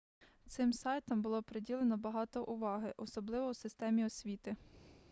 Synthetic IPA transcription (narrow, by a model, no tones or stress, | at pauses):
t̪sɪmsɑjt̪ɐmbʊlˠɔpɾedʲilˠenɔbɐɦɑt̪ɔʔʊʋɑɦɪʔɔsɔblˠɪʋɔwsɪst̪ɛmʲiɔsʲʋʲit̪ɪ